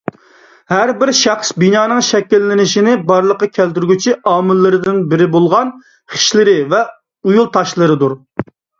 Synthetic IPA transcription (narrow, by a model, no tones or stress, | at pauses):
hæɾbɪɾʃɑχsbinɑːnɨŋʃɛkʲːilːɪnɪʃinɪbɑɾlˠəqːɑkʲʰɛlt̪yɾɡʲyt͡ʃʰiʔɑːmɪlːɨɾɨd̪ɪnbɪɾɪbolˠʁɑn | χi̥ʃlɪɾɪvɛ | ujulˠt̪ʰɑʃlˠɨɾɨd̪uɾ